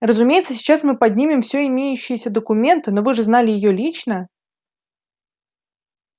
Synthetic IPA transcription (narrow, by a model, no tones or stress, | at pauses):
rəzʊmʲejɪt̪səsʲɪ̥t͡ɕasmɨpɐd̪ʲnʲimʲɪmfsʲɵɪmʲejʉɕːɪjəsʲəd̪əkʊmʲe̞nt̪ɨnovɨʐɨznalʲɪjɪjolʲit͡ɕnə